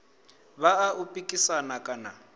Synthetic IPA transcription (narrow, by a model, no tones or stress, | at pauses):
baːʔupʼikʼisanakʼana